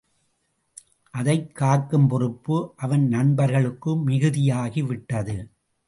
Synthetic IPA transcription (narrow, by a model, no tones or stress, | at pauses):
ʔɐðɐɪkːaːɾkːɯmpɔɾɯpːɯʔɐʋɐnnɐɳbɐɾɣɐɭɯkːɯmɪɣɯðɪjaːɣiʋɪʈːɐðɯ